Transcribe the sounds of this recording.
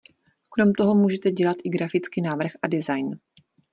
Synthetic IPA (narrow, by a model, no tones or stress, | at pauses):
kɾomt̪o̞ɦo̞muːʒɛt̪ɛɟɛlat̪ʔɪɡɾafɪt͡skinaːvr̩xʔadɪzajn